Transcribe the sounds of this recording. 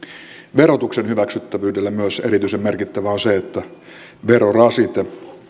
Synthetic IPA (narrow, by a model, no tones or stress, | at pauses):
ʋeɾot̪uksenhyʋæksyt̪ːæʋyːdelːæmyøseɾit̪yisemmerkit̪ːæʋæːnseet̪ːæ | ʋeɾorɑsit̪e